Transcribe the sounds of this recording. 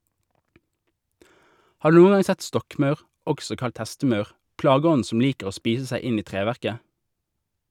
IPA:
ˈhɑː ˈdʉː ˈnuːən ˈɡɑŋ ˈsɛt ˈstɔkˌmɑʉʁ ˈɔɡsɔ ˈkɑlt ˈhɛstəˌmɑʉʁ ˈplɑːɡəˌɔn̩ ˈsɔm ˈliːkəʁ ˈoː ˈspiːs ˈsæɪ ˈɪn ˈiː ˈtʁeːʋæʁkə

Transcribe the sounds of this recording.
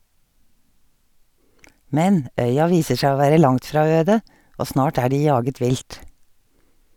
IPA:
ˈmɛn ˈʔœʏɑ ˈʋiːsə ˈʃæː ˈoː ˈʋæːɾə ˈlɑŋt ˈfɾɑː ˈøːdə ˈʔoː ˈsnɑːʈ ˈæː ˈɖiː ˈjɑːɡət ˈʋɪlt

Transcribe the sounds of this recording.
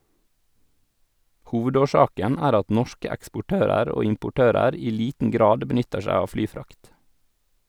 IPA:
ˈhuːʋədoːˌʃɑːkən ˈæːɾ ˈɑt ˈnɔʃkə ɛkspʊˈʈøːɾəɾ ˈoː ɪmpʊˈʈøːɾəɾ ˈiː ˈliːtn̩ ˈɡɾɑːd bəˈnʏtəɾ ˈʃæɪ ˈɑːʋ ˈflyːˌfɾɑkt

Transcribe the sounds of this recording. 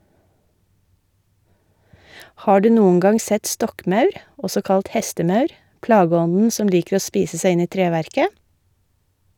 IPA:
ˈhɑː ˈɖʉː ˈnuːn̩ ˈɡɑŋ ˈsɛt ˈstɔkˌmɑʉɾ ˈɔsɔ ˈkɑlt ˈhɛstəˌmɑʉɾ ˈplɑːˌɡɔnn̩ ˈsɔm ˈliːkəɾ ˈoː ˈspiːsə ˈsæɪ ˈɪn ˈiː ˈtɾeːʋæɾkə

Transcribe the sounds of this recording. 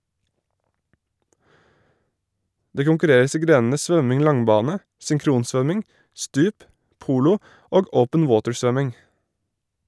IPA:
ˈdeː kʊŋkʉˈɾeːɾəs ˈiː ˈɡɾeːn̩ə ˈsʋœmɪŋ ˈlɑŋˌbɑːnə sʏŋˈkɾuːnˌsʋœmɪŋ ˈstʉːp ˈpuːlʊ ˈoːɡ ˈʔəʊpən ˈwoːtəɹˌsʋœmɪŋ

